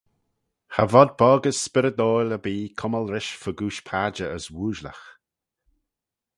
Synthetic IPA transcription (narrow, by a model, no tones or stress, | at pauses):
ha̰vɔd̪̚bɔːɡəsːpɪɾəd̪oːjləbiːkʰʊməlɾɪʃfəɡuːʃpʰaːd͡ʒəəswuːʒlə̰x